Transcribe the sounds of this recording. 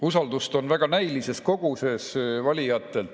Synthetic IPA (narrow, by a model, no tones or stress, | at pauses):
usɑld̪ust̪o̞nvæɡ̥ɑnæjlise̞sko̞ɡ̥use̞svɑlʲijɑt̪ːˑel